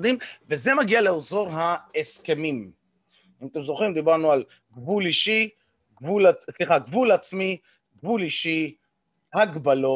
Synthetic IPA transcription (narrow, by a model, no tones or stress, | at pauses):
d̪imvezemaɡialeozo̞ʁɦaeske̞mim | imat̪emzoχɾimd̪ibaʁnual | ɡvuliʃi | ɡvulasliχaɡvulat͡smi | ɡvuliʃi | haɡbalo